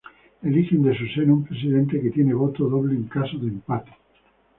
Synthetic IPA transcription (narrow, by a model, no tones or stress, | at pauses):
elixend̪es̬usenoumpɾes̬iðẽ̞nt̪e̞ket̪je̞neβ̞ot̪oðo̞βleːŋkasoðempat̪e̥